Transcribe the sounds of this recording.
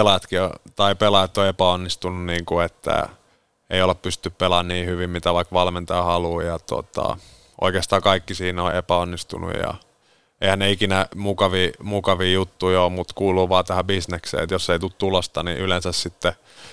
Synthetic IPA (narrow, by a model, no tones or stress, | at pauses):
elɑjɑt̪kio̰t̪ɑipelɑjɑt̪ːoepæonːist̪ununniːŋkuet̪ːæ̰ | eijoleppyst̪ːyppelɑnniːhyʋimmit̪æʋɑikʋɑlment̪ɑjɑhɑluːjɑt̪o̰t̪ɑ̰ | ʔo̰ikeːst̪ɑːkɑikːisiːnoʔepæonːist̪ṵnṵjjɑ̰ | eihænneikinæmukɑʋiːmukɑʋiːjut̪ːuiomut̪kuːluːʋɑːt̪æhæbisneksḛːḛt̪josːeit̪ut̪t̪ulost̪ɑnḭʔylensæssit̪ːe